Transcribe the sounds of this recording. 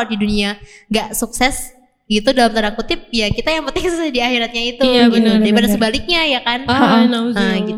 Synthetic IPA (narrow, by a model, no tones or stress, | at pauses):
diduniaŋɡaʔsuksɛs | ɡit̪udalamt̪əɾaŋkut̪ɪp̚jakit̪ajaŋpənt̪ɪŋsusadiahiɾat̪̚ɲait̪uɡit̪id̪aibadasəbalɪk̚ɲajakannaəɡi